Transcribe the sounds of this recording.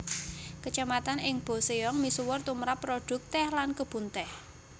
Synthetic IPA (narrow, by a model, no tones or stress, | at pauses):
kət͡ʃamat̪anɪŋb̥o̤seɔŋmisuwʊrt̪umɾapːroɖ̥ʊ̤k̚t̪ɛhlankəb̥ṳnt̪ɛh